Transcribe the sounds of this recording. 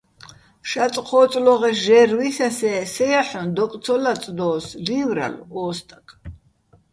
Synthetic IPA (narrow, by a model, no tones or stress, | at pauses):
ʃat͡s̪ʼqʰɔːt͡s̪ʼlɔʁɛsʒɛrwisasɛːsɛjaħɔnd̪ɔkʼt̪t͡sʰɔlat͡s̪ʼd̪ɔːslivɾa̰lɔːst̪ʼakʰʼ